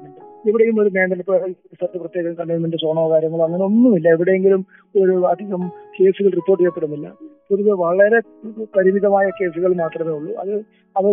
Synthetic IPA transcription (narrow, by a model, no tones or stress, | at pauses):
ɐeʋiɽejumo̞ɾumeːɳɖɐnɐpːɐɐst̪ɐrt̪ːɨprɐt̪jeːɣɐmkɐɳːejmːundesoːɳɐːɐɣaːɾjɐŋːɐɭɐŋːɐno̞nːumilːɐeʋiɽejeŋɡilum | o̞ɾuɐd̪ʱiɣɐmke̞ːsuɣɐɭripːorʈ̬ːejːɐpːeɽunːilːɐ̰kurɐðːɨʋɐɭɐɾe̞ | pɐɾimiðɐmaːjɐke̞ːsuɣɐɭmaːt̪rɐmeːuɭːuʔɐ̰ðɨ | ɐðɐ